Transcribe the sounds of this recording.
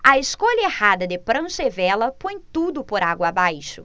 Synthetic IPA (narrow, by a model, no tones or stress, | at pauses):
ɐeskoʎɐehad̪ɐd̪ɪpɾɐ̃ʃevɛlɐpõj̃t̪ud̪ʊpoɾaɡwɐabajʃʊ